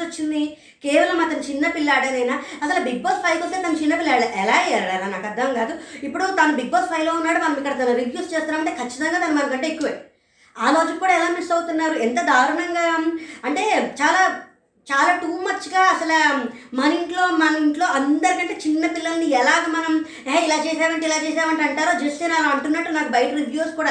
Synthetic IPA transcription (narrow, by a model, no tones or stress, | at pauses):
ot͡ʃːind̪i | ke̞ːʋɐlɐmɐt̪ɐnut͡ʃinːɐpilːaːɽɐnɐjnaːɐsɐlɐbiɡ̚boːspʰɐjt̪ost̪eːt̪ɐnut͡ʃinːɐpilːɐɭʔɛlaːaɾɽananaːkɐd̪ʱːɐmɡaːd̪uipːuɽut̪ɐnɐbiɡ̚boːspʰɐjlo̞ːunːaːɽumɐnɐmikːɐɽɐt̪ɐnɐɾiʋjuːsʈt͡ʃeːst̪unːaːmɐɳʈe̞ːkʰɐt͡ʃːi̥t̪ɐŋɡaːt̪ɐnɐmɐnɐkɐɳʈeekːuʋɐji | aːɾo̞ːd͡ʒukkːuːɽaːɛlaːmeɳʈsɐwt̪unːaːɾuɛnt̪ɐd̪ʱaːɾɐɳɐŋɡaːɐɳʈe̞ːt͡ʃaːlaː | t͡ʃaːlaːʈuːmɐt͡ʃːiɡaːɐsɐlɐmɐnɐiɳʈlo̞ːmɐnɐmiɳʈlo̞ːʔɐnd̪ɐɾikɐɳʈe̞ːt͡ʃinːɐpilːɐlɐniɛlaːɡɐmɐnɐm | ɦeːilaːt͡ʃɛːʃaːʋɐɳʈeːilaːt͡ʃɛːʃ̬aːʋɐɳʈːɐɳʈaːɾoːd͡ʒest̪enaɐɳʈunːɐʈːunaːkubɐjɐʈɐɾidjuːskuːɽaː